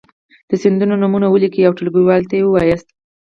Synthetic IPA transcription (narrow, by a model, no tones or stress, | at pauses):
d̪̥əsɪnd̪unonumunawəlikijawʈəlɡuwɑlt̪ajewəwɑjəst̪̚